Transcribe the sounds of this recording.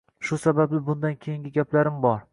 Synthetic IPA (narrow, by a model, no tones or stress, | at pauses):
ʃʊsabablɪbʊnd̪ankʲʰejɪŋɡʲɪɡʲaplaɾɪmbɒɾ